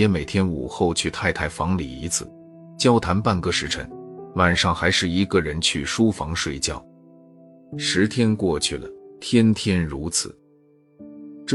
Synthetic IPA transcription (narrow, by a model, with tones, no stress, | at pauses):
ɛ˧˥me˨˩ɪt̪ʰjɛ˥nṵ˨˩xo˥˧ʊt͡ɕʰy˥˧t̪ʰa˥˧ɪt̪ʰa˥˩ɪfɑ˧˥ŋlḭ˨˩ḭ˧˥t͡sʰɹ̩̰˨˩˦ | t͡ɕjɑ˥ʊt̪ʰa˧˥npa˥˩nkɤ˥˧˩ʂɻ̩˧˥ʈ͡ʂʰə̰˧˥ŋwa˨˩nʂɑ˥˩ŋxa˧˥ɪʂɻ̩˥˩i˧˥ɡə˧ɻə˧˥nt͡ɕʰy˥˩ʂu˥fɑ˧˥ŋʂwe˥˧ɪt͡ɕjɑ˥˩ʊ | ʂɻ̩˧˥t̪ʰjɛ˥nkwɔ˥˧t͡ɕʰy˥˩lə̰˩t̪ʰjɛ˥nt̪ʰjɛ˥nɻu˧˥t͡sʰɹ̩˨˩˦ | ʈ͡ʂ